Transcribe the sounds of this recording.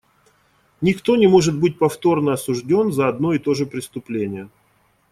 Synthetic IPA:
nʲɪkt̪o̞nʲɪmo̞ʐɨt̪̚bɨt̚ʲpɐft̪o̞rnəɐsʊʐdʲo̞nzəɐd̪no̞ɪt̪o̞ʐɨpɾʲɪst̪ʊplʲenʲɪjə

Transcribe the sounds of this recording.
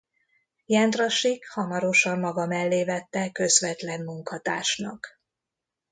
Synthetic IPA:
jɛnd̪roʃikhɒmɒɾo̞ʃɒmːɒɡɒmɛlːeːvɛt̪ːɛkø̞zvɛt̪lɛnmuŋkɒt̪aːʃnɒk

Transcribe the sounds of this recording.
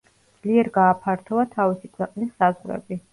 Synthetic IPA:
dd̪z̥liɛɾɡaːpʰaɾt̪ʰɔat̪ʰavisikʰwɛqʼnisːazʁɾɛ̰bi

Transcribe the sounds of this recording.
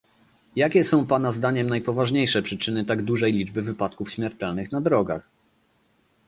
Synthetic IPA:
jakʲɛsɔ̃w̃panazd̪aɲɛmnajpɔvaʐɲejʂɛpʂɘt͡ʂɘnɘt̪aɡd̪uʐɛjlʲid͡ʐbɘvɘpat̪̚kufɕmʲjɛɾt̪ɛlnɘxnad̪ɾɔɡa̰x

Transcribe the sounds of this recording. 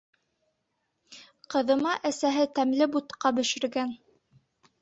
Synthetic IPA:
qɤ̆ðɤ̆mɑʔæsæɦɘt̪æmlɘbut̪qɑbɵ̆ʃɘ̆ɾɡæn

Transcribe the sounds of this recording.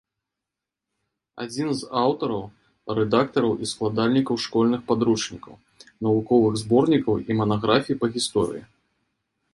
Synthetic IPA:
a̰d͡zʲinzawt̪ɐɾɐw | rɛd̪akt̪ɐɾɐwʔisklˠad̪alʲnʲikɐwʂkɔlʲnɨxpad̪ɾut͡ʂnʲikɐ̰w | nɐvukɔvɨɣzbɔrnʲikɐwimɐnaɣɾafʲijipɐɣʲist̪ɔɾɨ̰jḭ

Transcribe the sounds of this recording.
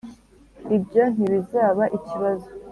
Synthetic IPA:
ibɟon̥iβizaːβaʔiciβazo

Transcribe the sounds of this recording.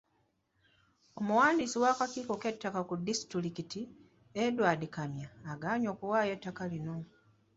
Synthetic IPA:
o̞muwaːndisiwakakiːko̞ke̞tːakakudːisi̥tiɾikiti | edwaːdikamjaːɡaːɲo̞ːkuwaːje̞tːakalino̞

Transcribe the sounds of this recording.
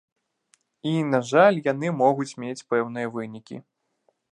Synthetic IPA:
inaʐalʲjanɨmɔɣut͡sʲmʲet͡sʲpɛwn̪ɨjɐvɨnʲikʲḭ

